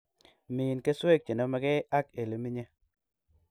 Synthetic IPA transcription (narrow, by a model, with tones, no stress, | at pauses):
mi˨nke˦swe˦˨k̚t͡ʃe˨no˦ma˦ke˦a˦ke˨li˨mi˦ɲe˦